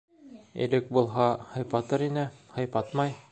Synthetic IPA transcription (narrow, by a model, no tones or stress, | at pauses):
ɘ̰̆lɘk̚bulˠɦɑhɤ̆jpɑt̪ɤɾinɘhɤ̆jpɑt̪mɑj